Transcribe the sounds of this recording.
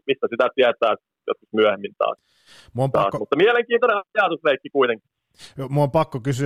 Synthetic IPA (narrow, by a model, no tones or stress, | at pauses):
mist̪æsit̪æt̪iæt̪ˑæːs | jo̰t̪kusmyæhemːint̪ɑ̰ːs | muomt̪ɑ̰ːsmut̪ːɑmiæleŋkiːnt̪oneɑjɑˑt̪usleikːikuit̪eŋki̥ | omuompɑkːokysy